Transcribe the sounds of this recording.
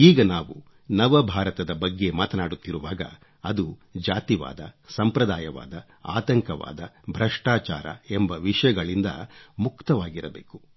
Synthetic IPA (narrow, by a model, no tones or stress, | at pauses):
iːɡɐnaːʋu | nɐʋɐbʱaːɾɐt̪ɐd̪ɐbɐɡːe̞maːt̪ɐnaːɽut̪ːiɾuʋaːɡɐ̰ | ɐd̪ud͡ʒaːt̪iʋa̰ːd̪ɐsɐmpɾɐd̪aːjɐʋa̰ːd̪ɐ | a̰ːt̪ɐŋkɐʋa̰ːd̪ɐbʱɾɐʂʈaːt͡ʃa̰ːɾɐ̰embɐʋiʂɐjɐɡɐɭind̪ɐ̰mukt̪ɐʋaːɡiɾɐbḛːku̥